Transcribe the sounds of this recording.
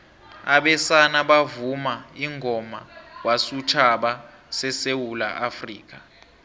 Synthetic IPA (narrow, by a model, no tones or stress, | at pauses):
aɓɛsanaɓavumaiŋʱɔmawasut͡ʃʰaɓa | sɛsewula̰ʔafriːk̬a